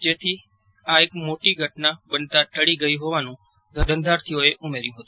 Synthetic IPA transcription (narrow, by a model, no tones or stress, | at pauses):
d͡ʒet̪ʰi | aekmoʈiɡʱəʈnabənt̪aʈəɽiɡəiɦoʋanũ | ɡ̪ʱəɖʱənd̪ʱaɾt̪ʰijoeʔumeɾjũɦət̪ũ